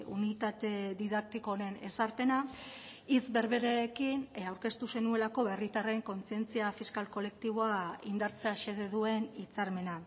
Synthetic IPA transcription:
unit̪at̪e̞ðiðak̚t̪iko̞ɾe̞ne̞saɾpe̞na | it͡sbe̞ɾβe̞ɾeːkinawɾke̞st̪use̞nue̞lako̞βe̞rit̪areeŋko̞nt͡sie̞nt͡siafiskalko̞le̞k̚t̪iβ̞o̞aind̪aɾt͡se̞aʃe̞ð̞e̞ðue̞nit͡saɾme̞na

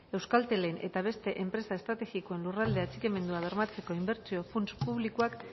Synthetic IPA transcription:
e̞wskalt̪e̞le̞ne̞̰t̪aβ̞e̞st̪e̞ʔe̞mpɾe̞saest̪ɾat̪e̞ɣikoe̞nlurald̪e̞at͡sike̞me̞nd̪uaβ̞e̞ɾmat͡se̞ko̞imbe̞ɾt͡sio̞punspuβlikuak

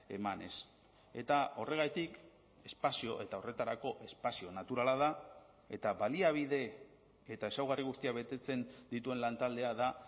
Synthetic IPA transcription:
e̞̰mane̞̰s | e̞t̪ao̞re̞ɣ̞ajt̪ik | e̞spasio̞ʔe̞t̪ao̞re̞t̪aɾako̞ʔe̞spasio̞nat̪uɾalaða | e̞t̪aβaliaβ̞iðe̞ː | t̪ae̞sawɣariɣ̞ust̪iaβe̞t̪e̞t͡se̞nd̪it̪ue̞nlant̪ald̪e̞aða

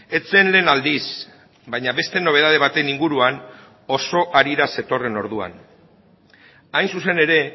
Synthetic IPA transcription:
e̞t͡se̞nle̞ːnald̪is | bajɲaβe̞st̪e̞no̞β̞e̞ð̞að̞e̞β̞at̪e̞niŋɡuɾuan | o̞so̞ʔaɾiɾase̞t̪o̞re̞no̞ɾð̞ua̰n | ajnsuse̞ne̞ɾe̞

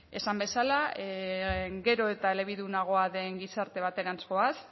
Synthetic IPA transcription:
e̞sambe̞sala | ɡe̞ɾo̞e̞t̪aele̞β̞iðunaɣ̞o̞aðe̞ŋɡisaɾt̪e̞β̞at̪e̞ɾansko̞as

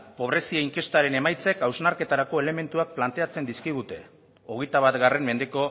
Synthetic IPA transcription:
po̞β̞ɾe̞sieiŋke̞st̪aɾe̞ne̞majt͡sekawznaɾke̞t̪aɾako̞e̞le̞me̞nt̪uak̚plant̪e̞at͡se̞nd̪iskiɣ̞ut̪e̞ | o̞ɣ̞e̞jt̪aβat̪ɣare̞mme̞nd̪e̞ko̞

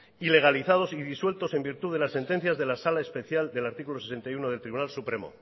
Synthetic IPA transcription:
ile̞ɣ̞aliθað̞o̞siðiswe̞lt̪o̞se̞mbiɾt̪uðe̞lasːe̞nt̪e̞n̟θjazðe̞lasalaespe̞θjald̪e̞laɾt̪ikulo̞ses̬e̞nt̪ajuno̞ðelt̪ɾiβunalsupɾe̞mo̰

